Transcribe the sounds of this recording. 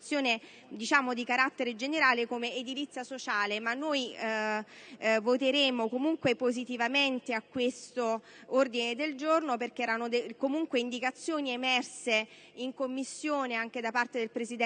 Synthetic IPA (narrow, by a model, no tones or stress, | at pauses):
t̪sːjoːne | d̪it͡ʃaːmod̪ikaɾat̪ːeɾed͡ʒeneɾaːlekomeːd̪ilit̪sːjasot͡ʃaːlemanːoj | vot̪eɾeːmokomuŋkwepozit̪ivament̪eakːwest̪o | ord̪ined̪eld͡ʒornoperk̟eɛːɾanod̪ekomuŋkweind̪ikat̪sːjoːniemɛrse | iŋkomːisːjoːneaŋk̟ed̪apart̪ed̪elpɾezid̪ɛ